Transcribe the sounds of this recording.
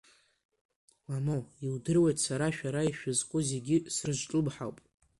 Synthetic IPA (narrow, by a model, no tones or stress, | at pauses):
lamoiwdɨrwajtʼsaɾaʃᶣaɾaiʃᶣʊzkʷʼʊze̞ɡʲɪsrɨʒʷʈ͡ʂʼɨbħawpʼ